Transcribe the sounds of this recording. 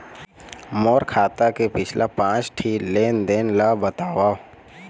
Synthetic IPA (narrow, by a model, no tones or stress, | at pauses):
mɔːɾkʰaːt̪akepɪt͡ʃʰlʔapãːt͡ʃʈʰiːleːnd̪ɪnlabət̪aːwaː